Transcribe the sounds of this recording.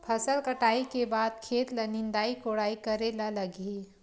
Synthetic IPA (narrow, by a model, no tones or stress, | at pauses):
pʰɐsəlkəʈaːikebaːd̪̚kʰeːt̪lənɪnd̪aːikoːɽaːikəɾelalɐɡi